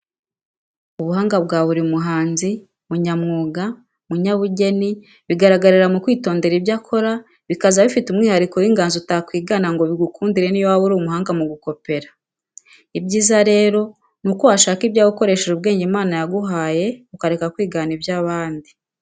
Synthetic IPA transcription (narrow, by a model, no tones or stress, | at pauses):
uβuɦaːŋɡabɡaːβuɾimuɦaːnzi | muɲamŋuːɡa | muɲaβuɟe̞ni | βiɡaɾaɡaɾiɾamukwiːto̞ːnde̞ɾibjakʰo̞ɾa | βikazaβifitumŋiːhaɾiko̞wiːŋɡaːnzutakwiːɡanaŋɡo̞βiɡukʰuːndiɾe̞nijowaβuɾuːwumuɦaːŋɡamuɡuko̞pe̞ɾḁ | ibɟiːzaɾe̞ːɾo̞ | nukohaʃaːkibjaːβuko̞ɾe̞ʃeʒub̚ɡe̞ːɲɟimaːnajaɡuɦaːje̞ukaɾekakwiːɡaːnibjaːβaːndi